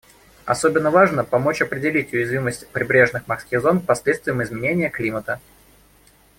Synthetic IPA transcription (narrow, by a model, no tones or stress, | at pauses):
ɐ̰sobʲɪnːəvaʐnəpɐmo̞t͡ɕɐpɾʲɪdʲɪlʲitʲʊjɪzvʲiməsʲtʲpɾʲɪbɾʲe̞ʐnɨxmɐskʲixzo̞nkpɐsʲlʲet̪st̪vʲɪjəmɪzmʲɪnʲenʲɪjəklʲimət̪ə